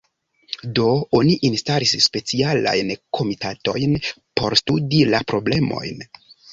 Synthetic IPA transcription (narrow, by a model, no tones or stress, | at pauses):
do̞o̞niʔinstalisspe̞t͡siala̰jnkʰo̞mitato̞̰jnpo̞ɾstudilapɾo̞ble̞mo̞̰jn